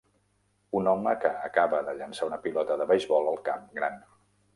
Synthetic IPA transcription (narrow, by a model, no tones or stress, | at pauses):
unɔməkəːkaβəðəʎənsaunəpilɔt̪əðəβəjzβɔlˠəlˠkamɡɾan